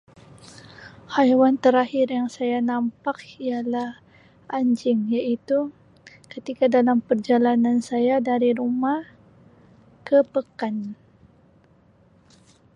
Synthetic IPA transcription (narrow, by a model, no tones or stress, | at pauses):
hajwant̪əɾahɪrjaŋsajanampakialah | ʔaɲd͡ʒɪŋjaʔit̪u | kət̪ikadalampərd͡ʒalanansajadaɾiɾumah | kəpəkan